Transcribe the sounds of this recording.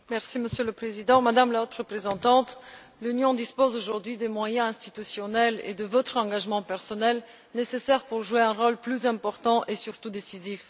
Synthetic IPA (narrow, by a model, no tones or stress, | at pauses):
mɛʁsiməsjøləpχezid̪ɑ̃mad̪amlaot̪χʁəpχezɑ̃t̪ɑ̃t̪ | lynjɔ̃d̪ispozoʒuʁd̪ɥid̪emwajɛ̃ɛ̃st̪it̪ysjɔnɛlḛd̪əvɔt̪χɑ̃ɡaʒmɑ̃pɛʁsɔnɛl | nesesɛʁpuʁʒueɛ̃ʁolplyzɛ̃pɔʁt̪ɑ̃ʔesyʁt̪ud̪esizif